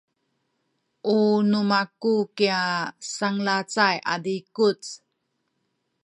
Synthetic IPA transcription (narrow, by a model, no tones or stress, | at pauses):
ʔunumakukiasaŋlat͡sajʔa̰dikut͡s